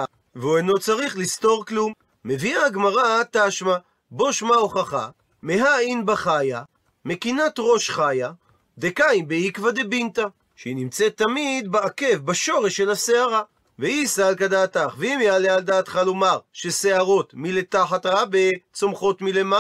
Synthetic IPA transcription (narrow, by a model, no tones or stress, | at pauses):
veueno̞t͡saʁiχlisto̞ʁklumː | e̞viaɡmaʁataʃma | bo̞ʃmaoχaχa̰ | meɦainbaχaja | me̞kinat̪ʁo̞ʃχaja | d̪e̞kaimbeikvad̪ebint̪a | ʃeinimt͡set̪ːamid̪beake̞vbaʃo̞ʁe̞ʃːelaseaʁa | veisalkad̪aːtaχveimjaleald̪aːt̪χalomaʁʃese̞aʁo̞t̪miletaħat̪ʁabet͡somχo̞t̪milema